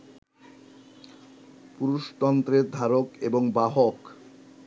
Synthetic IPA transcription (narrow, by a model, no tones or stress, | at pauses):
puɾuʃt̪ɔnt̪ɾeɾd̪ʱaɾokeboŋbaɦok